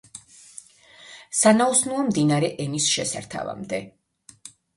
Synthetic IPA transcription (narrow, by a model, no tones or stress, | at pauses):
sanausnuɔmd̪inaɾɛʔɛnisʃɛsa̰ɾt̪ʰa̰va̰md̪ɛ